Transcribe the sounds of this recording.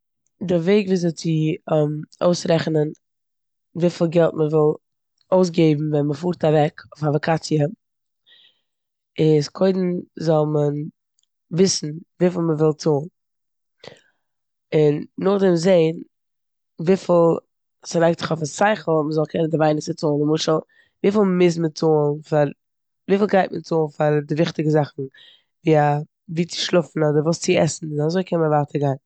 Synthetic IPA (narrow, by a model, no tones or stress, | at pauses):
dɪɾveɪɡviːzɔt͡sɪmoʊsɾɛχnən | viːfɪlˠɡɛlˠtməvɪlˠ | oʊs̬ɡeɪbm̩vɛnməfuːɾtavɛkʰofavɔkʰat͡siə | ɪskʰoɪdn̩zɔlˠmən | vɪsn̩viːfl̩ˠməvɪlˠtuːn | ɪnːʊχdɪmzeɪn | viːfɪlˠ | sɪɾaɪk̚t͡sɪ̥χɔfasaɪχl̩ˠməzɔlˠkʰɛnəndɪvaɪnɪsət͡soːnɪmʊʃəlˠ | viːfɪlˠmɪs̬mət͡soːnfaɾ | viːfɪlˠɡaɪtmət͡soːnfaɾdɪvɪχtɪɡəzaχn̩ | viːa | viːt͡sɪ̥ʃlˠʊfn̩ɔdəɾvuːst͡sɪɛ̰sn̩azoɪkʰɛnməvaːtʰəɾɡaɪn